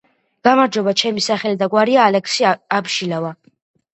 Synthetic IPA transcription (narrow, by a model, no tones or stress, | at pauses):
ɡ̥amaɾd͡ʒɔbat͡ʃʰɛmisaχɛlid̪aɡwaɾiaːlɛksiabʃilava